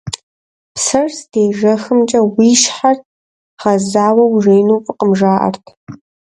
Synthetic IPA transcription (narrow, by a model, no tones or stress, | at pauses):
psɐrsd̥eːʐɐxɨmt͡ʃʼɐwiːʃħart̚ʰ | χɐzaːwɐwʐejnuːpʼɨqəmʐaːʔɐ̰rtʰ